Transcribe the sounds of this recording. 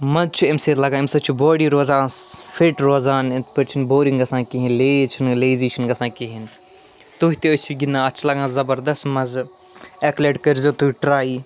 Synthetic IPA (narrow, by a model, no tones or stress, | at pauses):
mɐzt͡ʃʰuemseːlɐɡaːemsɐt͡ʃʰuboːɽiːɾoːzãːsfʰeʈɾoːzaːnet̪ʰpɐɾt͡ʃʰinboːɾiŋɡɐsãːkiɦinleːt͡ʃʰinleːziːt͡ʃʰinɡɐsãːkiɦin | t̪uɦit̪eot͡ʃʰuɡʲind̪ãːɐt͡ʃʰulɐɡãːzɐbɐɾd̪ɐst̪mɐz | ekleʈkɐɾzoːt̪uiʈɾaːiː